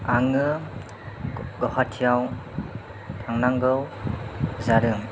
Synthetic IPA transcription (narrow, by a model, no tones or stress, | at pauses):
aŋɯ | ɡɔhatʰijaw | tʰaŋnaŋɡɯw | zaɾɯŋ